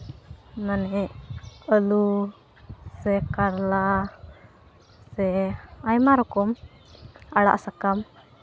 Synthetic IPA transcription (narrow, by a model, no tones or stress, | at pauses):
manɛʔəlu | sɛkaɾla | sɛajmaɾɔkɔm | aɽa̰ʔsakam